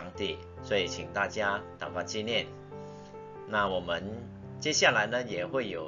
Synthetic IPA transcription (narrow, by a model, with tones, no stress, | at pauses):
ŋt̪i˨˩ | swɔ˧˦˥i˨˩t͡ɕʰi˨˩ŋt̪a˥˨t͡ɕja˦t̪a˨˩fa˥˧t͡ɕi˥˧njɛ˥˨n | na˥˩wɔ˨˩mə˨˦n | t͡ɕjɛ˥ɕja˥˩la˨˦ɪnə˧jɛ˨˩xwe˥˩ɪjo˨˩